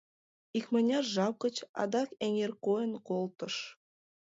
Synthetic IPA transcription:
ikmɑnʲɑrʒɑw̚kə̆t͡ɕɑ̰d̪ɑkeŋerkojə̆nkolˠt̪ɤ̆ʃ

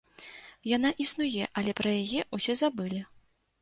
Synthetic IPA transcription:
janaʔisnujɛʔɐlʲɛpɾɐjajɛʔusʲɛzabɨlʲi

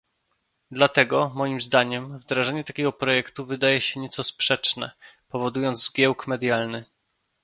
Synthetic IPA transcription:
d̪lat̪ɛɡɔmɔjimzd̪aɲɛmvd̪ɾaʐɛɲɛt̪akʲɛɡɔpɾɔjɛkt̪uvɘd̪ajɛɕɛɲɛt̪sɔspʂɛt͡ʂnɛ̰pɔvɔd̪ujɔnd̪zzɡʲjɛwkmɛd̪ʲjalnɘ

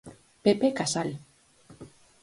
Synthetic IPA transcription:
pepekasal

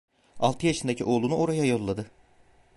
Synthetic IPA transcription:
a̰lˠt̪ʰɯjaʃɯnd̪acʰḭʔo̞lˠunuʔo̞ɾajajo̞lˠːad̪ɯ

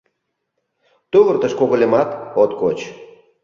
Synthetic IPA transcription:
t̪uβərt̪əʃkoɣolʲemɑt̪ot̪kot͡ɕ

